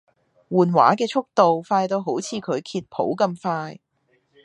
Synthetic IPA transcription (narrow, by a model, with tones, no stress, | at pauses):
wuː˨˩nwa̰ː˨˥kɛː˧t͡ʃʰʊ˥k̚t̪o˨wfaː˧jt̪o˧wɦo˨˥wt͡sʰiː˨˧kʰɵ˨˧ɥkʰiː˧t̚pʰo̰˨˥wkɐ˧mfaː˧j